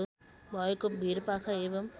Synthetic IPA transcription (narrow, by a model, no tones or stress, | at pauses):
bɔːjkːɯmbiːɾɯpːaːɣɐeːʋɐm